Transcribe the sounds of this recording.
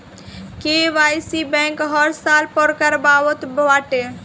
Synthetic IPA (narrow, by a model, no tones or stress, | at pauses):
keʋajsibɛ̃ŋkɦəɾsalpɔɾkəɾbawət̪bʋaʈe